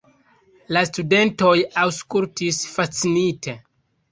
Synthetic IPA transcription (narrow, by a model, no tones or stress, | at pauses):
lastude̞nto̞jawskultisfat͡sinite̞